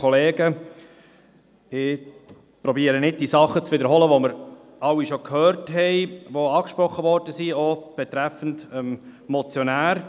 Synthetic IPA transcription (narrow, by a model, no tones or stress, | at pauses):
ɔleːɡə | ɪ | pɾɔbiːəɾənɪd̚d̥isɑχːət͡sʋɪdəɾɦɔləʋoməɾ | ɑwːiʃokʰhøːɾtɦɛɪʋoɑːkʃpɾɔχːəvɔɾd̥əsiob̥ɛt̪ɾæfən̩dəmmɔt͡sjɔnæːɾ